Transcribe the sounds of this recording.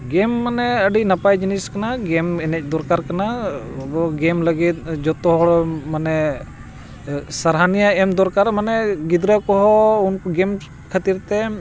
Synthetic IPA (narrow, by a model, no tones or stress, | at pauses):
ɡɛmːanɛəɖinapajd͡ʒiniskanaɡɛmɛnɛc̚d̪ɔɾkaɾkanabɔɡɛmləɡit̪̚d͡ʒɔt̪ɔɦɔɽɔmanɛ | saɾɦanijaɛmd̪ɔɾkaɾmanɛɡid̪ɾakɔɦɔunkɔɡɛm | kʰat̪iɾt̪ɛ